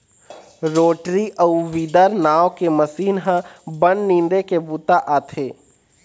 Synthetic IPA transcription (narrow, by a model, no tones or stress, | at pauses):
ɾoːʈɾiʔəuʋiːd̪əɾnaːwkemɐsiːnɦãbənnĩːnd̪ekebuːt̪aʔaːt̪ʰeː